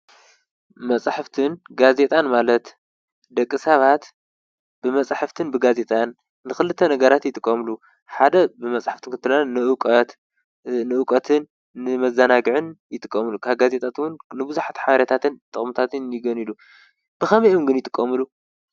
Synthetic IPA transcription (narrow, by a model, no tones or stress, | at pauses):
mɐt͡sʼaħɨft̪ʰɨnɡaze̞t̪ʼanmalɐt̪ | d̪ɐkʼːɨsaβat̪ | b̥ɨmɐt͡sʼaħɨft̪ʰɨnbɨɡaze̞t̪ʼanː | ɨxɨlɨt̪ʰːɐnɐɡɐɾat̪jɪt̪ʼɨkʼːɐmlu | ħad̪ɐbɨmɐt͡sʼaħaft̪ʰɨnkɨnt̪ʰːɨlalnɨʔukʼɐt̪ | nɨʔukʼɐt̪ʰɨnː | ɨmɐzanaɡɨʕɨnjɪt̪ʼɨkʼːɐmɨlukʰaβɡaze̞t̪ʼat̪wʊnnɨbɨzuħat̪ħaβɐɾjet̪ʰat̪ʰɨnt̪ʼɨχʼmut̪ʰat̪ʰɨnjɪɡɐnilu | b̥ɨxɐmɐjʔomɡɨnjɪt̪ʼɨkʼːɐmɨlu